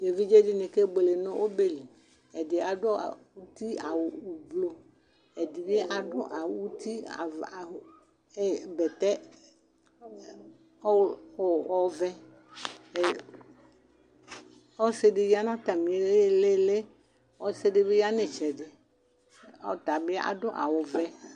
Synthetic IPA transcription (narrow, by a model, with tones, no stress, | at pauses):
de˨vi˦d͡ʒe˦dɪ˦nẽ˨ke˦ɡ͡be˨le˨nɔ̃˦ʔo˦be˦li˨ | ɛ˨dɪ˨a˨dɔ̰˦˨wu˦t̪i˦a˨wo˨u˨blo˦ | e˨di˨be˦ʔa˨ɖʊ̰˦ʔa˨wwu˦t̪ʰi˦a̰˨a˨ | e˦bɛ˨t̪ɛ˦ | o˦˨ɔ˦vɛ˦˨ | ɔ˦se˦ɖe˨ji˦a˦nã˦t̪a˨mĩ˨˦le˦le˦ | wɔ˦se˦ɖe˦be˦ja˦nẽ˨t͡ʃɛ˨de˨ | ɔ˦t̪a˨be˦a̰˨dʊ˦ʔa̰˨wo˨vɛ˦